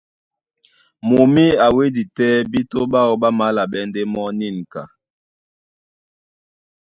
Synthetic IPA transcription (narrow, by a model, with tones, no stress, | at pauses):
mo˨mi˦a˨we˦di˨tɛ˦bi˦to˦ɓa˦ɣo˨ɓa˦ma˨˦la˨ɓɛ˦nde˦mɔ˦ni˦˨nka˨